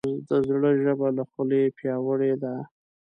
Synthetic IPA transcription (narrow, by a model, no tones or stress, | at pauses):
d̪əzɽəʒəbalaxəlepjɑwəɽed̪a